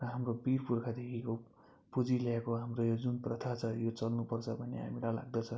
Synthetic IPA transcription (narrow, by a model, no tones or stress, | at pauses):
rʌɦamrobirpurkʰad̪ekʰiko | pud͡ziljakoɦamrojod͡zunprʌt̪ʰat͡sʰʌjot͡sʌlnupʌrt͡sʰʌbʱʌnḛɦa̰milajla̰ɡ̚d̪ʌt͡sʰʌ̃